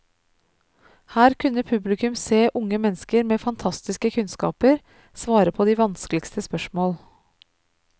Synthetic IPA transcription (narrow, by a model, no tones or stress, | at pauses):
hæːɾkʰʉnəpʰʉblɪkʉmseːʔʊŋəmɛnskəɾmeːfɑnt̪ʰɑst̪ɪskəkʰʉnskɑ̰ːpəɾ | sʋɑːɾəpʰɔːd̪iːʋɑnskəlɪkst̪əspœʃmoːl